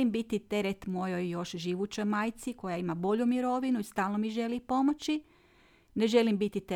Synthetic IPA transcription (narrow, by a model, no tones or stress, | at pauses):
imbit̪it̪e̞ɾet̪mo̞jo̞jːo̞ʃʒiʋut͡ɕojmaːjt̪siko̞jaimabo̞ʎumiɾo̞ʋinuist̪aːlˠnomiʒe̞lipo̞mot͡ɕi | neʒe̞limbit̪it̪e